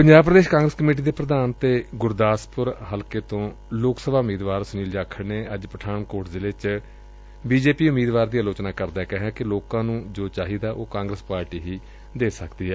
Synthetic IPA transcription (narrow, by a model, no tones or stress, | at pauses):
pəɲd͡ʒaːbpɾəd̪eːʃkãːŋɡɾəskəmeːʈ̬iːd̪eːpɾəd̪aːnt̪eːɡʊɾd̪aːspʊɾɦəlkeːt̪õː | loːksəbaːʊmiːd̪ʋaːɾsəniːld͡ʒaːkʰəɽneːəd͡ʒpəʈʰaːnkoːʈzɪleːt͡ʃ | biːd͡ʒeːpiːʊmiːd̪ʋaːɾd̪ijaːloːt͡ʃnaːkəɾd̪aːɛːkɛɦãːkɪloːkãːnũːd͡ʒoːt͡ʃaːɦiːd̪aːʔoːkãːŋɡɾəspaːɾʈiːɦiː | d̪eːsəkd̪iːɦɛː